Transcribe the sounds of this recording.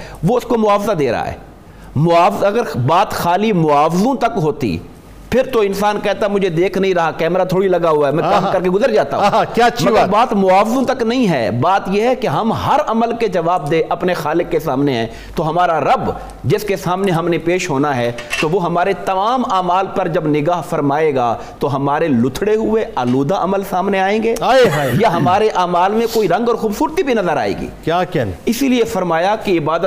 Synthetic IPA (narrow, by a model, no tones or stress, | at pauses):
ʋoɪskomʊaːfzad̪eːɾɐ̰a̰ɦɛ̰ː | mʊaːfɐɡəɾbaːt̪xaːlimʊaːfzõt̪ɐkɦoːt̪ḭ | pʰɪɾt̪oɪ̃nsaːnkɛɦt̪amʊd͡ʒʱed̪eːkʰnɐɦĩɾɐɦakɛːmɾat̪ʰoːɽilɐɡaɦʊaɛmɛ̃kaːmkɐɾkeɡʊzəɾd͡ʒaːt̪a̰ɦũkjaːʃmɐəaːɾbaːt̪mʊaːfɪzõt̪ɐknɐɦĩɦɛ̰ːbaːt̪jeɦɛkeɦɐmɦɐɾɐməlked͡ʒɐʋaːb̚d̪eʔɐpnexaːlɪkːesaːmneɦɛ̃ː | t̪oɦɐmaːɾaɾɐb | d͡ʒɪskesaːmneɦɐmnepeːʃɦoːnaɦɛt̪oʋoɦɐmaːɾet̪ɐmaːmaːmaːlpɐɾd͡ʒɐbnɪɡaːɦfɐɾmaːeːɡaː | t̪oɦɐmaːɾelʊt̪ʰɽeɦʊeaːluːd̪aʔɐməlsaːmneaːẽːŋɡeːaejaɦɐmaːɾeʔaːmaːlmẽkoːiɾɐ̃ŋɡɔːɾxuːbsuːɾt̪ibʱinɐzəɾa̰ːḛːɡḭːkjaːkɛɪsiliefɐɾmaːjakeɪbaːd̪ə